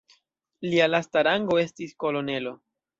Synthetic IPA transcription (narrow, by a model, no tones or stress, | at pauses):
lialastaɾaŋɡo̞e̞stisko̞lo̞ne̞lo̞